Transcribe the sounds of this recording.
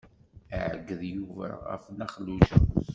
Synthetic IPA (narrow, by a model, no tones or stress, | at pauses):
əʕə̰ɡːəðjuvæ̰ʁæ̰fnæχluʃ